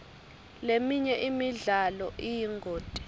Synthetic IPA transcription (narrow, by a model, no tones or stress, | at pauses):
lemiɲɛʔimiɮalɔʔijiŋɡʱɔːtʼɛ̥